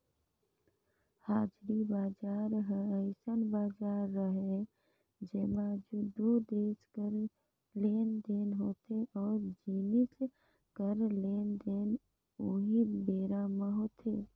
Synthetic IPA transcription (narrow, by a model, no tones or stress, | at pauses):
haːd͡ʒɾibaːd͡ʒaːɾɦəəɪsənbaːd͡ʒaːɾːəɦe | d͡ʒeːmad͡ʒud̪ud̪eːskəɾ | leːnd̪eːnɦoːt̪eʔɔːɾd͡ʒinɪs | kəɾleːnd̪eːn | oɦibeːɾaməɦoːt̪ʰeː